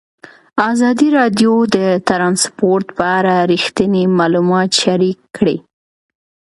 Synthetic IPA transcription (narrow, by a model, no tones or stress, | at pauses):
ɑzɑd̪iɾɑd̪jod̪ət̪ɾɑnspoɾt̪pəaɾaɾixt̪ənemɑlumɑt̪ʃaɾikːɽi